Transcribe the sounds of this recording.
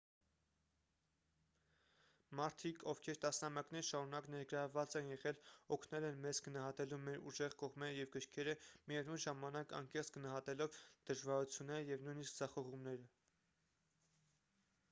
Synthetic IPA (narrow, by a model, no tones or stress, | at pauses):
mɑɾt̪ʰikʰɔvkʰɛɾt̪ɑsnɑmjɑknɛɾʃɑɾunɑknɛɾɡəɾɑvɑt͡sɛnjɛʁɛlɔkʰnɛlɛnmɛzɡənɑɦɑt̪ɛlumɛɾuʒɛʁkɔʁmɛɾəjɛvɡəɾkʰɛɾəmiɛvnunʒɑmɑnɑkɑ̰ŋkɛχt͡sʰɡ̥ənɑɦɑt̪ɛlɔvd̪̥əʒvɑɾut͡sʰjunːɛɾəjɛvnujniskd͡zɑχɔʁumnɛɾə